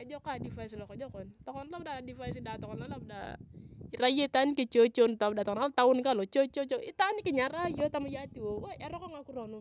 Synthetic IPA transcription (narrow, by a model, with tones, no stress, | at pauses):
a˨d͡ʒɔ˦ka˨di˨fa˨jsi˨lɔ˨kɔ˨d͡ʒɔ˦kɔ˨nt̪ɔ˨kɔ˦nla˦p̚da˨di˨fa˦is̬i˦da˨tɔ˨kɔ˨nla˦la˦p̚da̰˨i˨ɾa˦je˦t̪a˦ni˦ke˨t͡ʃo˦t͡ʃo˦n˨ta˨p̚da˨tɔ˨ɔna˦lt̪a˦ʊ˦nka˦˨lo˨t͡ʃo˦t͡ʃo˦t͡ʃo˦i˦t̪a˦ni˦ki˨ɲa˨ɾa˦jo˦ta˦ma˦ja˦ti˨wo˨wa˦ʔɛ˦ɾɔ˦kɔ˦ŋa˨ku˦ɾɔ˨nu˦